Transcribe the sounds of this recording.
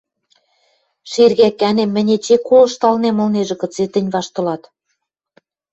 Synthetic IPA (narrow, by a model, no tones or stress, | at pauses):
ʃirɣækænemːɘ̆nʲet͡ɕekːolɤ̆ʃt̪ɑlnemɤ̆lneʒĕkɤ̆t͡set̪ɘ̆nʲβɑʃt̪ɤ̆lɑt̪